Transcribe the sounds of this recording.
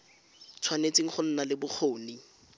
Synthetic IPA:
t͡sʰwanet͡sʼɪŋ̩χʊn̩nalɪbʊk͡xʰoːni

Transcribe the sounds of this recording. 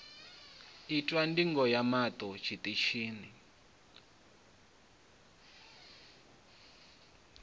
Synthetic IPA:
itʼwandiŋɡɔjamatʼɔt͡ʃʰitʼiʃiːni

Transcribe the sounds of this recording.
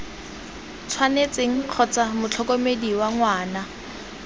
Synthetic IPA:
t͡sʰwanet͡seŋ̩q͡χʰɔt͡samʊt͡ɬʰɔkomediwaŋwaːna

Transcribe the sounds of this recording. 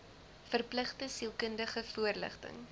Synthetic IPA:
fərpləχtəsilˠkəndəχəfuərlə̰χtə̰ŋ

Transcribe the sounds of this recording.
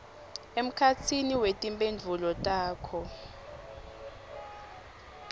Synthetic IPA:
em̩kʰat͡sʰiniwetʼimpʼend͡vʱulɔtʼaːkʰɔ

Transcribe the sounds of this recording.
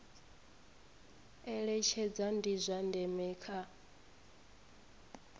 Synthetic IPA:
ɛɺɛt͡ʃʰɛd͡zandizʷandɛmɛːkʰa

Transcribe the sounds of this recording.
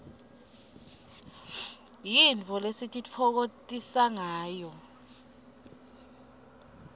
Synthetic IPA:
jint͡fʰʼɔlesitʼit͡fʰɔk̬otʼisaŋaːjɔ

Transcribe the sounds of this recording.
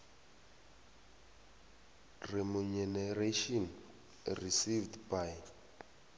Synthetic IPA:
rimuɲɛnɛɾeʃɔn | risivdbaj

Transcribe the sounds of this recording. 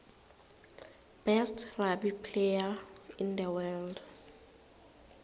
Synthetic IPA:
b̥ɛstrabipʰlejaĩndəwɛld

